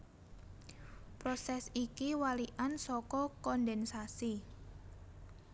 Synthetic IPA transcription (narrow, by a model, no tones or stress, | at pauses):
pɾɔsɛsikiwaliʔansɔkɔkɔndɛnsasi